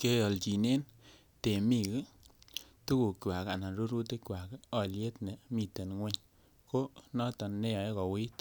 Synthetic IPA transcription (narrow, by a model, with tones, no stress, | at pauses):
ke˦jɔ˨lt͡ʃi˨ne˦n | te˨mi˦ki˦ | tu˦ku˨kwa˨ka˨na˨nɾu˦ɾu˦te˦kwa˨kɔ˨lje˦tne˨mi˨te˨nŋwe˦ɲ | ko˦nɔ˦tɔ˨nːe˦ja˨e˦kɔ˨wi˦t